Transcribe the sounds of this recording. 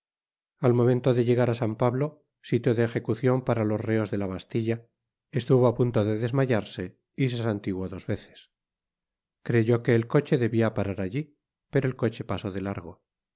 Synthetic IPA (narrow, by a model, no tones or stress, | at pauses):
almo̞mẽ̞nt̪o̞ðe̞ʎe̞ɣaɾasampaβlo̞ | sit̪joðeːxe̞kuθjo̞mpaɾalo̞sreo̞zðe̞laβast̪iʎa | est̪uβoapunt̪o̞ðe̞ðe̞zmaʝaɾse̞ | is̬esant̪iɣwoðo̞zβe̞θe̥s | kɾe̞ʝo̞ke̞ːlko̞t͡ʃe̞ðe̞βiapaɾaɾaʎi | pe̞ɾo̞e̞lko̞t͡ʃe̞paso̞ðe̞laɾɣ̞o̞